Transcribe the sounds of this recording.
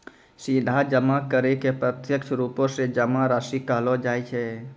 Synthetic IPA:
sid̪ʱad͡ʒəmakəɾekepɾət̪jəkt͡ʃʰɾuːpõsed͡ʒəmaɾaːʃikaːlod͡ʒaːit͡ʃʰɛ

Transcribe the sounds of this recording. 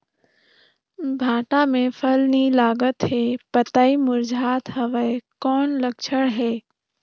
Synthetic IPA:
bʱaːʈamẽpʰəlnilaːɡət̪ɦɛːpɐt̪aːimʊɾd͡ʒʱaːt̪ɦɐʋəkɔːnləkt͡ʃʰəɽɦɛː

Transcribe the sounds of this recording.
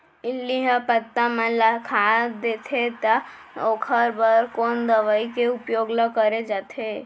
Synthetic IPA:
ɪlːiɦəpət̪ːamə̃lakʰad̪et̪ʰet̪a | oːkʰəɾbəɾkond̪əʋaikeupjoːɡləkəɾed͡ʒat̪ʰe

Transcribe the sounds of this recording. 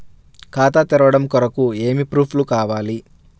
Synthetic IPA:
kʰaːt̪at̪iɾɐʋɐɽɐmkɔɾɐkueːmipɾuːpʰlukaːʋaːli

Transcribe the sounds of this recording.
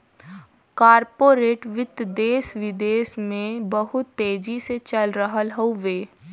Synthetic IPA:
kaːɾpoːɾeːʈʋɪt̪d̪eːsʋɪd̪eːsmẽbəɦʊt̪ːeːd͡ʒiset͡ʃəlɾəɦəlɦoʋeː

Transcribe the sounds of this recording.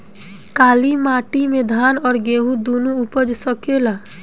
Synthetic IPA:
kaːlimaːʈimẽd̪ʱaːnɔːɾɡeːɦũd̪onuʊpəd͡ʒsəkela

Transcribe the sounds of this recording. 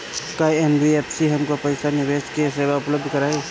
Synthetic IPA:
kajenbiepʰsiɦɐmkopəɪsanɪʋeːskeseːwaʊpləb̚d̪ʱkəɾaːe

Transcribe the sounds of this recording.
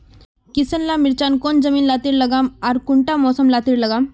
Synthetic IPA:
kɪsənlaːmɪɾt͡ʃaːnkoːnd͡ʒɐmiːnlaːt̪iːɾlɐɡaːmaːɾkʊɳʈamɔːsəmlaːt̪iːɾlɐɡaːm

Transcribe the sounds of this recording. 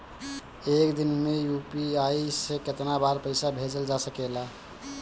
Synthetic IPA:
ekd̪inmejupiaiseket̪nabaɾpəɪsabʱed͡ʒəld͡ʒasəkela

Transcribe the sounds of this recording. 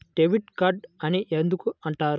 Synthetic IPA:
ʈeʋiʈkɐɖɐniʔend̪ukuɐɳʈaːɾu

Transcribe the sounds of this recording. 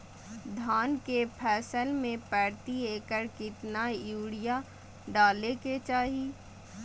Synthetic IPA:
d̪ʱaːnkepʰɛːsəlmẽpɛːɽt̪ieːkəɾkɪt̪najuːɽɪja | ɖaːleket͡ʃaːɦi

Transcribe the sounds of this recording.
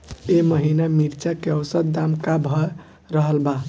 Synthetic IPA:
eməɦinamiɾt͡ʃakeəwsəd̪̚d̪amkabʱɔ | ɾəɦəlba

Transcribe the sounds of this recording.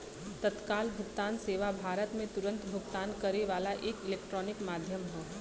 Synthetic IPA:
t̪ət̪kaːlbʱʊɡt̪aːnseːʋabʱaːɾət̪mẽt̪ʊɾə̃nt̪bʱʊkt̪aːnkɐɾeʋaːlaʔeːkɪleːk̚ʈɾɔːnɪkmaːd̪ʱjəmɦo

